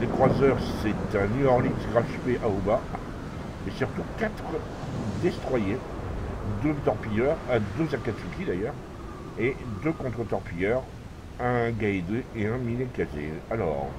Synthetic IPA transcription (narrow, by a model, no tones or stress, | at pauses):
lekχwazœʁsɛt̪ɛ̃nyɔʁlitʁaʃpeʔaoba | esyʁt̪ukʲat̪χə | d̪est̪χwaje | d̪øt̪ɔʁpijœʁad̪øzakat̪sukʲid̪ajœːʁ | ed̪økɔ̃t̪χət̪ɔʁpijœʁ | ɛ̃ɡaed̪eeɛ̃minekazḛalɔ̰ːʁ